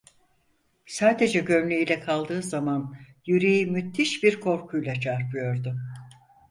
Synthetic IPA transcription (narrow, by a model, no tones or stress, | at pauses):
saːd̪e̞d͡ʒɛɟø̞mlʲejilʲɛkʰalˠd̪ɯːzaman | jyɾejimyt̪ʰːiʃbiɾkʰo̞ɾkʰujlˠat͡ʃʰaɾpʰɯjo̞ɾd̪ʊ